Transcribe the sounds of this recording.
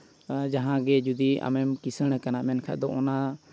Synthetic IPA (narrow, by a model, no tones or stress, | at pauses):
d͡ʒaɦãɡɛd͡ʒud̪ia̰mɛmkisəɽ̃kanaʔmɛnkʰa̰ʔd̪ɔʔɔna